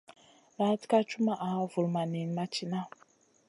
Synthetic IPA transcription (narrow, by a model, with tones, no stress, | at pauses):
ɾa˨˦ti̥˦ka˦t͡ʃu˦ma˦˨ʔa˨˦vu˨lma˨ni˨n˦ma˦t͡ʃi˦na˦